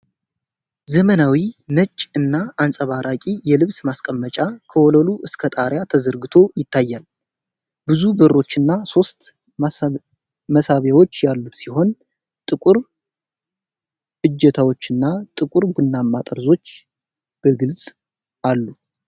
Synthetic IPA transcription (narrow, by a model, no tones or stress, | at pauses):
zəmənawinət͡ʃʼːɨnːaʔːnsʼəβaɾʔakʼijɛlɨβsmaskʼəmːət͡ʃʼakʰəwoləluʔɨskʰət̪ʼaɾjat̪ʰəzəɾɡɨt̪ʰo̞jɪt̪ːajːal | bɨzubɨrːo̞t͡ʃːɨnːaso̞st̪ | məsaβjawo̞t͡ʃːjalːut̪siɦo̞n | t̪ʼɨkʼuɾ | ɨd͡ʒːɛt̪ʰawo̞t͡ʃːɨnːat̪ʼɨkʼuɾɡunːamːat̪ʼəɾzo̞t͡ʃː | b̥əɡɨlsʼ | ʔalːu